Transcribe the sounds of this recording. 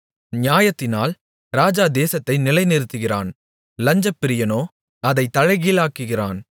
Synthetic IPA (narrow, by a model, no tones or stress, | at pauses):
nɪjaːjɐt̪ːɪnaːl | ɾaːd͡ʒaːd̪eːsɐt̪ːɐɪnɪlɐɪnɪɾɯt̪ːɯɣɪra̰ːn | lɐɲd͡ʒɐpːɪɾɪjɐnoː | ɐðɐɪt̪ːɐɻɐɪɣiːlaːkːɯɣɪra̰ːn